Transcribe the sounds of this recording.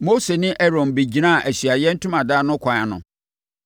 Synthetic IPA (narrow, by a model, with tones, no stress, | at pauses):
mo˦se˨nɪ̃˦ʔɛ˦ɾɔ̃˨nbe˨d͡ʑi˨nã˦˨ʔæ˨ɕi˨a˨jɛ˦n̩˦tʰʊ̃˦mã˨daː˦˨nʊ̃˦kʷʰã˨a˨nʊ̰̃˨